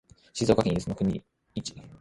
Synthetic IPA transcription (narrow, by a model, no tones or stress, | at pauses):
ɕizo̞ːkakʲẽisɨnokɯ̟ɲ̟ʲḭ | it͡ɕi̥